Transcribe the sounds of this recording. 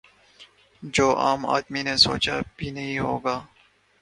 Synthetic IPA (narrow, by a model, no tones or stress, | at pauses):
d͡ʒoːʔaːma̰ːd̪mineso̰ːt͡ʃabiːnɐɦĩɦo̰ːɡaː